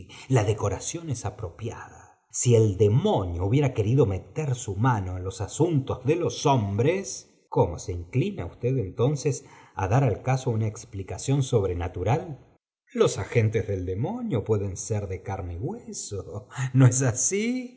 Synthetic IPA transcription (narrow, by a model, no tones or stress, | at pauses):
laðeko̞ɾasjo̞nesapɾo̞pja̰ða | sield̪emo̞njouβje̞ɾake̞ɾiðo̞me̞t̪eɾsumano̞enlo̞sasunt̪ozðelo̞sombɾes | komo̰seiŋklina̰ust̪eðent̪o̞nsesa̰ðaɾalkasounaeksplikasjo̞nso̞βɾenat̪uɾal | lo̞saxent̪ezðe̞ld̪emonjo̞pwe̞ðenseɾðekaɾmeɣwesonoes̬asi